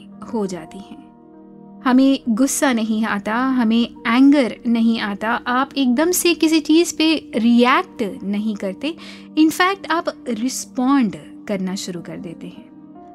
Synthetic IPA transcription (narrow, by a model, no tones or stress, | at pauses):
hod͡ʒaːt̪iɦɛ̃ː | hɐmẽɡʊsːanɐɦĩaːt̪aɦɐmẽɛ̃ːŋɡəɾnɐɦĩaːt̪aʔaːpeːk̚d̪ɐmsekɪs̬it͡ʃiːzpeɾiɛːk̚ʈnɐɦĩkɐɾt̪e | ɪnfɛːk̚ʈ̪aːpɾɪspãːɳɖ | kɐɾnaʃʊɾukɐɾd̪eːt̪eɦɛ̃ː